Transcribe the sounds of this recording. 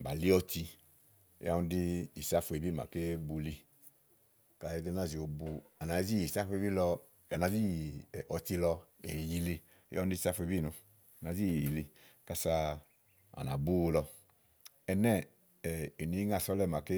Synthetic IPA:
ba˨li˦ɔ˧ti˧˦ | a˦wũ˧˦di˦i˨sa˦fu˧e˨bi˦˨ma̰˨ke˦bu˧li˧ | ka˧˨i˦de˦na˦˨zi˨o˧bu˧a˨na˨˦zi˦i˨sa˦fe˧bi˦lɔ˧ | a˨na˨zi˦˨ʔɔ˨ti˧lɔ˧ḛ˨ji˧lḭ˧˦ | ja˦˧˦di˦˧i˨sa˦fu˧e˧bi˦˨nu˧˨ | a˨zi˦˨ji˨li˧ | ka˦sa˧ | a̰˨na̰˨bu˦wlɔ˧ | ɛ˧nɛ˦˨ | e˨ni˨˦ŋa˦˨sɔ˦lɛ˦˨ma˨ke˦

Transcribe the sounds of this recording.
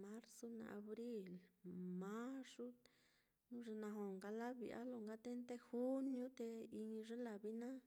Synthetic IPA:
mã˦ɾso˦nã̰˧˨ʔa˧βɾi˦lmã˦ʂu˦ | nũ˦ʐe˧nã˧ɦo˨ŋɡa˧la˦βḭ˨˧ʔa̰˦lo˧˨ŋɡa˦t̪e˦nt̪e˦xu˦njũ˦t̪e˧i˧ɲĩ˧ʐe˦la˨βi˦nã˦

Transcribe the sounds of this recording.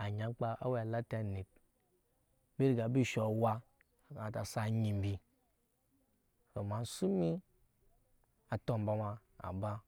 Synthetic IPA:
a˨ɲa˨˦k͡pa˦ʔa̰˦we˦a˨la˦ta˨ni˨p̚ | be˦ɾi˦˨ɡa˨˦bi˦ʃo˨wa˦˨ | kã˨ta˨sa˦˨ɲi˨m̩˨˦bi˨ | ɾo˨ma˨n˦su˦mi˦ | a˨to˦m˨ba˦ma˨ | a̰˨ba˦

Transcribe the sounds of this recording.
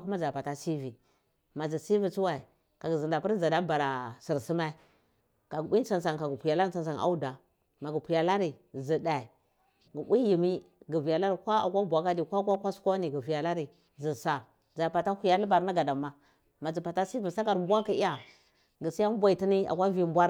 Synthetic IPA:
ku˦ma˦d͡za˨pa˨ta˦si˦vi˨ | ma˨zi˨si˦vi˨t͡su˦wa˨i˨ | ka˨ɡə˨zi˨n˨da˨pi˦ɾza˨da˦ba˨ɾa˨si˨ɾsi˦ma˦i˦ | ka˨ɡi˦a˨nsa˨ŋka˨ɡu˨pu˨ja˨la˦ɾa˨nsa˨na̰˦u˦da˨ | ma˨ɡu˨pʷu˨ja˨la˦ɾi˨zi˨da˨i˨ | ɡə˨bʷi˦ji˨mi˦ɡə˨vi˨ja˨la˦ɾi˨kʷa˦a̰˨kʷa˦bʷa˨ka˦di˨kʷa˦kʷa˦kʷa˦su̥˦kʷa˦ni˨ɡə˨vi˨ja˨la˦ɾi˨ | zi˨sa˨ | d͡za˨pa˨ta˦hu˨ja˦lu˦ba˨ɾna˦ɡa˨da˨mːa˨ | ma˨zi˨pa˨ta˦si˦vi˨sa˦ka˨ɾm˦bʷa˦ka˨i˦a˨ | ɡə˨si˦ja˦m˦bʷa˨i˨ti˦ni˦a̰˨kʷa˦vi˦m˦bʷa˦ɾ

